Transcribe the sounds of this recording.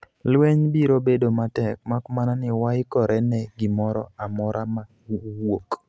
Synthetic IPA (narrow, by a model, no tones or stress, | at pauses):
lwɛɲbiɾobedomatɛk̚makmananɪwaɪkɔɾɛnɛɡɪmɔɾɔ̰amɔɾʔama | wok